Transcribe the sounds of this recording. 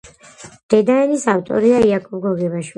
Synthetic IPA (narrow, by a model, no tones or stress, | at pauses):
d̪̥ɛd̪aɛnisaft̪ʼɔ̰ɾiaiakʼɔp̚ɡɔɡɛbaʃwi